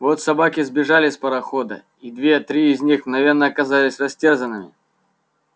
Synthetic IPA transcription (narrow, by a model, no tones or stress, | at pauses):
vot̪sɐbakʲɪzbʲɪʐalʲɪspəɾɐxod̪ə̰ | id̪vʲe̞t̪ɾʲiːzʲnʲixnɐvʲe̞rnəɐkɐzalʲɪsʲrɐsʲtʲerzənːɨmʲɪ̰